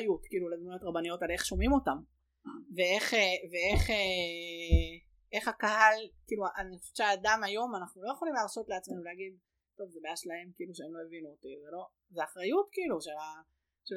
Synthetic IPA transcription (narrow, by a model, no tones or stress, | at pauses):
jutkiːluled̪mujo̞tʁabanijo̞tale̞χʃo̞mimo̞tam | vee̞χeveeχe | e̞χakahalkiːluʔanefu̥ʃaːdamajo̞manaχnulo̞jeχo̞limleːʁso̞tleat͡sme̞nuleaɡid̪̚ | to̞vzebeaʃlae̞mkiiːluʃeemlo̞jevinuot̪izelo̞ | zeaχʁajutkiiːluʃela | ʃe